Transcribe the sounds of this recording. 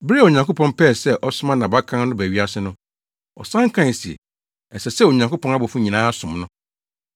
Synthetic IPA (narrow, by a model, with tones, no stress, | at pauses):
bɾo˨ɲã˨ŋko˦pʰɔ̃˦npʰɛː˦˨sɛ˦ʔɔ˦sʊ˦mã˦nã˨ba˦kʰã˦n˦nʊ̃˦bæ˨ɥi˦a˦sɪ˦nʊ̃˦ | ɔ̰˨sã˦ŋ̩˦kʰã˦˨si˨ḛ˨ | ɛ˨sɛ˨sɛ˦wo˨ɲã˨ŋko˦pʰɔ̃˦na˦bɔ˨fʊ̃˦ɲĩ˨nãː˦a˦sʊ̃˨mnʊ̃˦